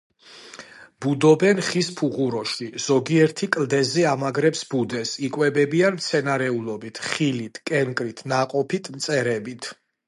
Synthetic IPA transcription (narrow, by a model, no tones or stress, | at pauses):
b̥ud̪ɔbɛnχispʰuʁuɾɔʃiz̥ɔɡiɛɾt̪ʰikʼld̪ɛzɛamaɡɾɛpsbud̪ɛsikʼwɛbɛbianmt̪sʰɛnaɾɛulˠɔbit̪ʰχilit̪ʰkʼɛŋkʼɾit̪ʰnaqʼɔpʰit̪ʰmt̪sʼɛɾɛbit̪ʰ